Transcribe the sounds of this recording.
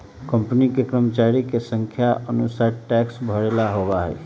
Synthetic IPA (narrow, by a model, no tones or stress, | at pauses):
kəmpənikekɾəmət͡ʃaːɾikesə̃ŋkʰjaʔənusaːɾʈɛːksbʱəɽelaɦowaɦɛ̰ː